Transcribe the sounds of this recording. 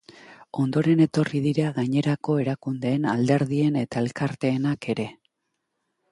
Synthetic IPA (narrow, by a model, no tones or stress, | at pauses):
o̞nd̪o̞ɾe̞ne̞t̪o̞riðiɾaɣaɲe̞ɾako̞e̞ɾakund̪e̞ːnald̪e̞ɾð̞ie̞ne̞t̪ae̞lkaɾt̪e̞ːnake̞ɾe̞